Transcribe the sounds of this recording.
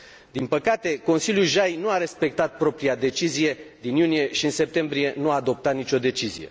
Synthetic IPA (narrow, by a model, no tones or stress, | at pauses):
d̪inpəkat̪e̞ko̞nsiljulʒajnuaɾe̞spe̞k̚t̪at̪̚pɾo̞pɾiad̪e̞t͡ʃizije̞d̪injunije̞ʃiɨnse̞p̚t̪e̞mbɾije̞nuaːd̪o̞p̚t̪at̪nit͡ʃʲo̞d̪e̞t͡ʃizḭje̞̰